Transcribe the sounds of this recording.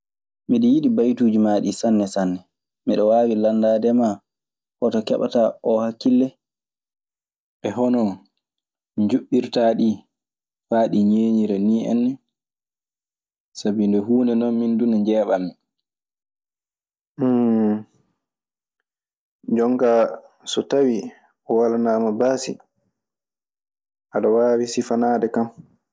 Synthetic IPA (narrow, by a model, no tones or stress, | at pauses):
miɗijiɗibajtuːd͡ʒimaɗisanːɛsanːɛ | miɗɔwaːwilandaːdɛma | hɔtɔkɛɓa̰taʔɔhakːilːɛ | ɓɛɦɔnɔ | ɲd͡ʒuɓːiɾtaɗi | faːɗiɲeːɲiɾɛniːɛ̰nːi | sabindɛɦuːndɛnɔnmindunɛɲd͡ʒɛːɓamːi | d͡ʒɔŋka | sɔtawi | ɔwalanaːmabasḭ | ʔaɗawaːwisifanaːdɛkam